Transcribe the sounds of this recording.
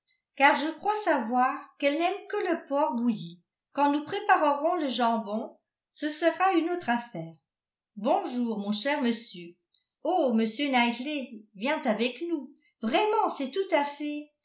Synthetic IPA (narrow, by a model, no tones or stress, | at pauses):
kaʁʒəkχwasavwaʁkɛlnɛmkələpɔʁbuji | kɑ̃nupχepaʁəʁɔ̃ləʒɑ̃bɔ̃ | səsəʁaynot̪χafɛːʁ | bɔ̃ʒuːʁmɔ̃ʃɛʁməsjø | oməsjønajklevjɛ̃t̪avɛknu | vʁɛmɑ̃sɛt̪ut̪afɛ